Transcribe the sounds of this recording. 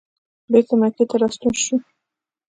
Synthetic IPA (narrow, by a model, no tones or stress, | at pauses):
bekomaket̪aɾɑst̪unʃi